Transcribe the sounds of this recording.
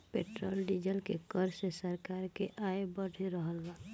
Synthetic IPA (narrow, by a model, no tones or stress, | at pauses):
peːʈɾoːlɖid͡ʒəlkekəɾsesəɾkaːɾkeʔaebəɖʱeɾəɦəlba